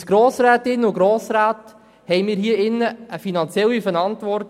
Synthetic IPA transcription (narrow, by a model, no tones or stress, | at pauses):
sɡ̥ɾoːsɾɛːtɪnːʊɡɾoːsɾaːt̪ | hɛɪmiːɾɦiːəɪnːəəfinɑnt͡sjɛlːifənɑntʋɔrt